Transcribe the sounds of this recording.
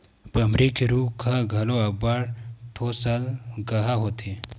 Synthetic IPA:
bɐmɾiːkiɾuːkʰaɡʱɐloɐbaɽt̪ʰosalɡɐɦaɦot̪ʰe

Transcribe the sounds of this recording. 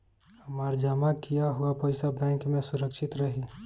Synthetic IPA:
hɐmaːɾd͡ʒəmakijaɦʊapɐɪsabɛ̃ːŋkmẽsʊɾəkʃɪt̪ɾɐɦi

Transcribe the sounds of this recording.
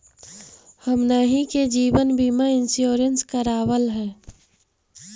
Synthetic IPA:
həmnaːɦiked͡ʒiːʋənbiːmaɪnsjoːɾənskəɾaːwəlɦɛ̃ː

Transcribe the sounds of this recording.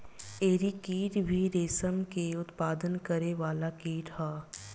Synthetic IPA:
eːɾikiːʈbʱiɾeːsəmkeʊt̪paːd̪ənkəɾeʋaːlakiːʈhaː

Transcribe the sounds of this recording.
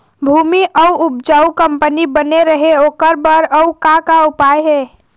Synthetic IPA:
bʱuːmiʔɔuʊp̚d͡ʒaːukə̃mpənibəneɾəɦeoːkəɾbəɾəukakaʊpaːjɦɛː

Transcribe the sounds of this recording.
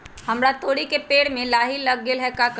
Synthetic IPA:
hɐmɾat̪oːɽikepeːɽmẽlaːɦiləɡːɪlɦɛkak

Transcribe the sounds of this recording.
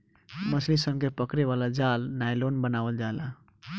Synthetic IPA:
məslisəbkepəkɾeβalad͡ʒalnajlonbənabəld͡ʒaela

